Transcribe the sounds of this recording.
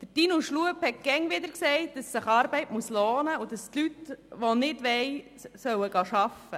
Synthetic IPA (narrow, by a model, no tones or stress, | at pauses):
d̥əd̥inuʃluəphɛt̚ɡ̥ɛŋʋɪd̪əɾksɛɪt̚d̥ɑsːəχɑːɾbɛɪtmuəsloːnəʊd̥ɑstlytʋonɪdʋɛɪ | sœwəɡɑːʃɑfə